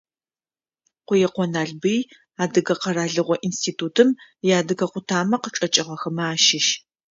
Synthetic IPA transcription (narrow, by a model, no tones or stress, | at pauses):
qʷʊjɛqʷɔnaːɮbɨj | aːdɨɣɐqɐɾaːɮɨʁʷɔʔinstʰiːtʰuːtʰɨmjaːdɨɣɐqʷʊtʰaːmɐqəʈ͡ʂʼɐt͡ʃʼɪʁɐxɐmɐaːʃɪʃ